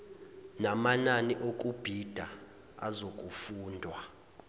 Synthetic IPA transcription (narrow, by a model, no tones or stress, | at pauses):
namananiʔok̬ʼub̥ʱid̥ʱa | a̰zok̬ʼufuːndʱwa